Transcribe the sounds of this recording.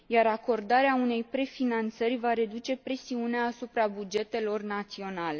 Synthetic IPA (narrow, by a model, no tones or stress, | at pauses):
jaɾako̞rd̪aɾeaune̞jpɾe̞finant̪sərʲvaɾe̞d̪ut͡ʃe̞pɾe̞siuneaːsupɾabud͡ʒe̞t̪e̞lo̞rnat̪sio̞nale̞